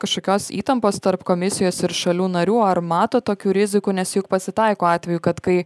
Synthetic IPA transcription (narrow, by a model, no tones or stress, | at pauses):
kɐʃkoːkʲoːsḭːt̪ɐmpoːst̪ɐɾpkoːmʲɪsʲɪjoːsɪɾʃɐlʲuːnɐɾʲuːɐɾmɑːt̪oːt̪oːkʲuːɾʲɪzʲɪkuːnʲɛsʲjʊk̚pɐsʲɪt̪ɐɪkoːɑːt̪ʲʋʲɛjuːkɐt̪kɐɪ